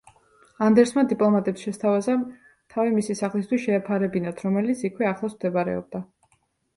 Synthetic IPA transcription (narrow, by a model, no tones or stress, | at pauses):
and̪ɛɾsmad̪ipʼlˠɔmat̪ʼɛpsʃɛst̪ʰavaza | t̪ʰavimisisaχlist̪ʰwisʃɛːpʰaɾɛbinat̪ʰɾɔmɛlit̪sʰikʰwɛaχlˠasmd̪ɛbaɾɛ̰ɔ̰b̚d̪a